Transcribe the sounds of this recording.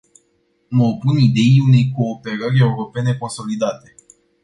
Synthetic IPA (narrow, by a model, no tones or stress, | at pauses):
məopunid̪e̞iune̞jko̞ːpe̞ɾəɾʲe̞uɾo̞pe̞ne̞ko̞nso̞lid̪at̪e̞